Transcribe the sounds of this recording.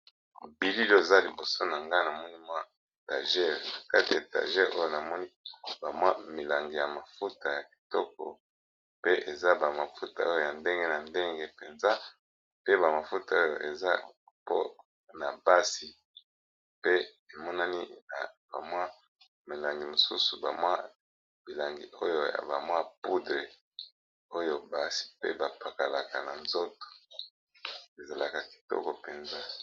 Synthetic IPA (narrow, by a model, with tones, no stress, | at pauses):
bi˨li˦le˨za˦li˨bo˨so˦na˨ŋɡa˦na˨mɔ˦ni˦mwa˦ | ta̰˨ʒɛ˦˨ʁa˨ka˦ti˨a˨ta̰˨ʒɛ˦ʁo˦jo˦˨na˨mɔ˦ni˦ba˨mwa˦mi˨la˨ŋɡi˨ja˨ma˨fu˦ta˨ja˨ki̥˨tɔ˦k̚ɔ̰˨ | pe˦ʔe˨za˦ba˨ma˨fu˦ta˨o˦jo˨ja˨nde˦ŋɡe˦na˨nde˦ŋɡe˦pe˨nza˦ | pe˦ba˨ma˨fu˦ta˨o˦jo̰˨ʔe˨za˦ | po̰˦ | na˨ba˦si˨ | pe˦ | e˨mɔ˦na˦ni˦na˨ba˨mwa˦ | me˨la˨ŋɡi˨mo˨sṵ˦su˨ba˨mwa˦ | b̥i˨la˨ŋɡḭ˨o˦jo˦ja̰˨ba˨mwa˦pu˦dʁe˨ | o˦jo˨ba˨si̥˨pḛ˦ba˨pa˨ka˨la˨ka˨na˨nzo˦to̥˨ | e˨za˨la˨ka˨ki̥˨tɔ̰˦kɔ˨pe˨nza˦